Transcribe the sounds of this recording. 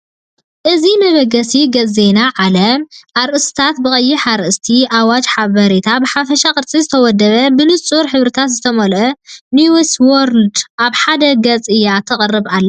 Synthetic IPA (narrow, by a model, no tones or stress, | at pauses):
ʔɨzimɐβɐɡɐsiɡɐt͡sːe̞naʕalɐmʔaɾʔɨsɨ̥t̪ʰat̪̚bɨkʼɐjːiħaɾʔɨst̪ʰiʔawad͡ʒħaβɐɾet̪ʰabɨħafɐʃakʼɨɾt͡sʼizɨt̪ʰɐwɔd̪ːɐβɐbɨnɨt͡sʼuɾħɨβɾɨt̪ʰat̪zɨt̪ʰɐmɐlʔɐniweswoɾld̪ʔaβħad̪ɐɡɐt͡sʼɨjat̪ʰɐχʼɨrːɨβalːɐ